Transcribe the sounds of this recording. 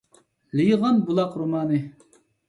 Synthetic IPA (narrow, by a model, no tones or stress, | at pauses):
lijʁɑnbulˠɑqɾumɑːnɨ